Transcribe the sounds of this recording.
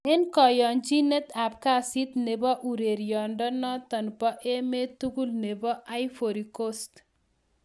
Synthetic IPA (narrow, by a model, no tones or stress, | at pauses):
enkɔjɔnd͡ʒinet̪apkasit̪nebɔʔuɾeɾjɔɳɖɔnɔt̪ɐnpɔʔemet̪uɡulnebɔʔajfoɾikost̪